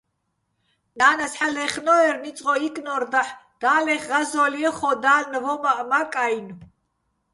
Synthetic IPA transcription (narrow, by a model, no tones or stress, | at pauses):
naːnasħalɛχnɔɛɾnit͡s̪ʼqʼɔikʼnɔɾd̪aħd̪̥aːlɛχːazɔliɛχɔd̪aːlnvɔmaʔmakʼajnu